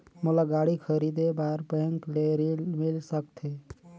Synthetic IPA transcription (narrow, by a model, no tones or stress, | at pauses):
molaɡaːɽikʰəɾid̪ebaːɾbɛ̃ŋkleɾilmɪlsəkt̪ʰe